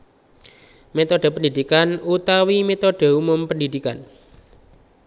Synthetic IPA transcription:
met̪ɔɖ̥ɛ̤pəndid̪̥ikanut̪awimet̪oɖ̥e̤umʊmpəndid̪̥ikan

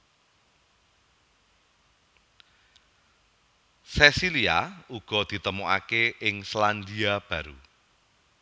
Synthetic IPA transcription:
sesiliauɡ̥ɔ̤d̪̥i̤t̪əmuʔa̰keʔɪŋsland̪iab̥a̤ɾu

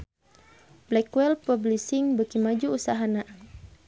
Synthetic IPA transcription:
blɛkuwɛlpɔblisiŋbəkimad͡ʒuusaɦana

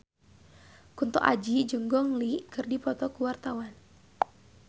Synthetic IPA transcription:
kunt̪ɔ̰ʔa̰d͡ʒid͡ʒuŋɡɔŋlikɨrdipɔt̪ɔkuwart̪awan

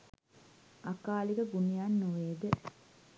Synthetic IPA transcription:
akaːliɡəɡunijanːoʋeːd̪ə

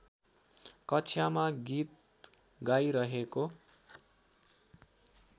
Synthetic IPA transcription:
kʌt͡sʰjamaɡit̪̚ | ɡajɾʌɦeko

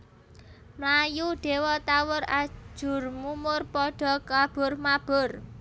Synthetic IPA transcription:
mlajuɖ̥e̤wɔt̪awʊrḁʒ̥ʊ̤rmumʊrpɔɖ̥ɔ̤kab̥ʊrmab̥ʊr

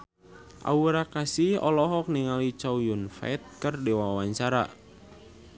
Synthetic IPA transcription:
ʔa̰uɾakasihɔ̰lɔɦɔk̚niŋalit͡ʃaujunfa̰jt̪̚kərdɛwawawaɲt͡ʃaɾa̰

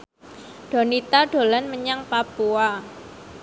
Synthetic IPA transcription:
ɖ̥o̤nit̪aɖ̥o̤lanməɲaŋpapua

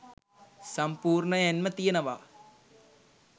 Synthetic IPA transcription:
sɐmpuːrɳɐjɐnmɐt̪ijɐnɐʋa̰ː

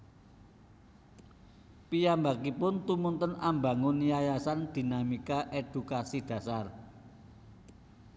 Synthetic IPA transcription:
pijambakipʊnt̪umunt̪ənamba̤ŋunijajasand̪̥i̤namikaʔed̪̥ṳkasid̪̥ä̤sar

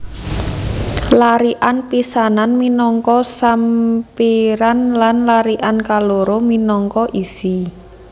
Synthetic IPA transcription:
laɾiʔanpisananminɔŋkɔsampiɾanlanlaɾiʔankaloɾominɔŋkɔʔisi

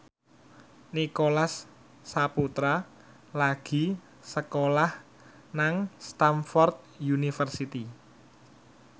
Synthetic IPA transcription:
nikolasː | aput̪ɾa | laɡ̥i̤ | səkolah | naŋst̪amfɔrt̪̚junifərsit̪i

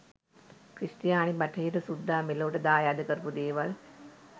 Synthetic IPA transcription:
kɾisʈijaːɳibaʈʰəiʈəsud̪ʱːaːmeloːʈəd̪aːjaːd̪əkəɾəpud̪eːʋal

